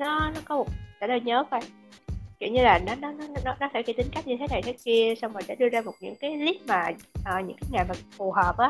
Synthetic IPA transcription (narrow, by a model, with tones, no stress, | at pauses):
nɔ˨˦nɔ˨˦kɔ˨˦mo˨˩t̚t͡ɕaː˧˩ə˧˩jɲəː˨˦faː˧˩j | kḭ˧˩wɲɨ˧laː˨˩nɔ˨˦nɔ˨˦nɔ˨˦nɔ˨˦nɔ˨˦nɔ˨˦faː˧˩ki˧˩t̪ï˨˦ŋ̟ka˦˥jk̟̚ɲɨ˧t̪ʰe˨˦na˨˩jt̪ʰə˨˦ki˧əsa˧wŋ͡mmaː˨˩ɗa̰˧˥˦ɗɨ˧əzaː˧mo˨˩t̚ɲɨ̰˧˥ŋkaː˨˦jli˦˥k̚maː˨˩ʔəː˨˩ɲɨ̰˧˥ŋkaː˨˦jŋa˨˩jmaː˨˩fu˨˩ɦəː˨˩p̚ʔaː˨˦